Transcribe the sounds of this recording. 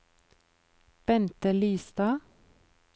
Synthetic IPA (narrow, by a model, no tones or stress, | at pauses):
b̥ɛnt̪əlyːsd̪ɑː